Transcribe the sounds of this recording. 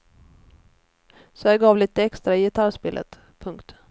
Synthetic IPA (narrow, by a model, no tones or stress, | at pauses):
sɔd̪æɾɡɑːvliːt̪əɛkst̪ɾaɪjɪt̪ʰaɾʂpḛːlʔə̰t̪ | pʰɵŋkt̪